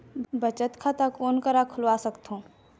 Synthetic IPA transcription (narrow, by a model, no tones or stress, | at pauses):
bɐt͡ʃət̪kʰat̪akoːnkəɾakʰʊlʋaːsɐkt̪ɦõː